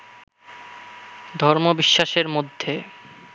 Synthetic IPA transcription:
d̪ʱɔɾmobiʃːaʃeɾmod̪ʱːe

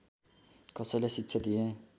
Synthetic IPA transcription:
kʌsʌjlesitːʃʰʌd̪ije

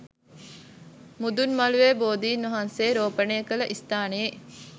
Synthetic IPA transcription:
mud̪unmɐluʋeboːd̪iːnʋɐɦanseːɾoːpənejːkələʔist̪aːnee

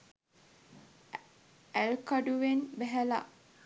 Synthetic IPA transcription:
ælkaɖuʋenbɛɦæla̰ʔ

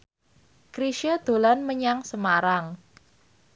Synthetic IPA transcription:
kɾiʃad̪̥o̤lanməɲaŋsəmaɾaŋ

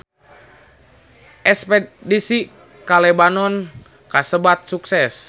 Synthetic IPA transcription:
ʔɛspɛt̪̚disi | kalɛbanɔn | kasəbat̪̚suksɛs

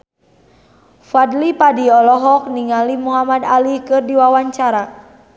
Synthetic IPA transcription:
fadlipadiɔlɔɦɔk̚niŋalimuɦamadalihkɨrdiwawaɲt͡ʃaɾa

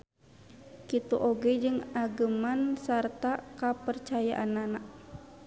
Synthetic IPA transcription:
kit̪uʔoɡɛd͡ʒɨŋaɡəmansart̪akapərt͡ʃaja̰ʔananaʔ

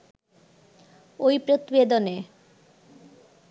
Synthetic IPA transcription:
ojpɾot̪ibed̪one

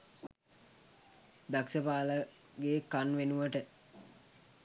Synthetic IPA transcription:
d̪aksəpaːlə | ɡeːkanʋenuʋəʈə

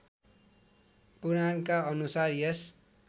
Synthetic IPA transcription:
puɾankaʌnusarjes

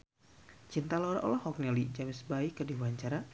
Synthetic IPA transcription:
t͡ʃint̪alɔɾaʔɔ̰lɔhɔk̚nɛlid͡ʒamɪsbaikədiwaɲt͡ʃaɾa

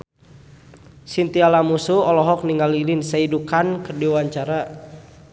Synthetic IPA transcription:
sint̪ialamusuɔlɔɦɔk̚niŋalilinsaidukankərdiwaɲt͡ʃaɾa

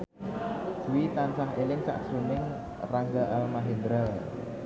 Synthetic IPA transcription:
suwit̪ansaɦelɪŋsa̰ʔsɾunɪŋ | raŋɡaʔalmaɦend̪ɾa

